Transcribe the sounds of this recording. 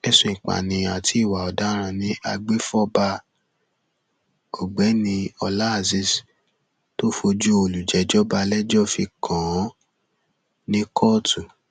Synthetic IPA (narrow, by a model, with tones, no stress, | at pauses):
ɛ˦sõ˧ĩ˨k͡pa̰˨nĩ˨a˨tʰi˨˦i˦˨wa˨ɔ˨da˨˦ɾ̃ã˧nĩ˦a˧ɡ͡be˦fɔ˦ba˧ | o˨ɡ͡bɛ˨˦nĩ˧ɔ˧la˦a˨zi˦s | to˦fo˧d͡ʒu˦o˧˨lu˨d͡ʒɛ˨˦d͡ʒɔ˦ba˧lɛ˦d͡ʒɔ˦fi˧kʰã˨˦ | nĩ˦kʰɔ˦˨tu˨